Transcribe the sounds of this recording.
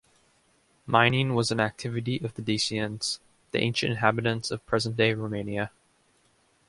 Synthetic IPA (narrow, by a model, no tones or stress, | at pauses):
mãɪ̃nĩnwʌzɨ̃næk̚tʰɪvɨɾiʔʌvðɨdisiɨ̃nz̥ | ðiʔḛ̃ɪ̃nʃɨ̰̃ntɨ̰̃nɦæbɨɾɨ̃nsʌv̥pʰɹ̥ɛzə̃nd̥eɪɹoʊmẽɪ̃niɨ